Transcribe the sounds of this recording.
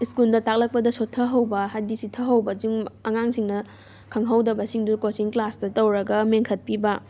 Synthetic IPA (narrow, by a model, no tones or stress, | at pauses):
iskuldɐtak̚lɐk̚pɐdɐsotʰːɐɦɐwbɐɦajdisitʰːɐɦɐwbɐd͡ʒiŋɐŋaŋsiŋnɐ | kʰɐŋɦɐwdɐbɐsiŋdukosiŋklastɐtɐwɾɐɡɐmeŋkʰɐt̚pibɐ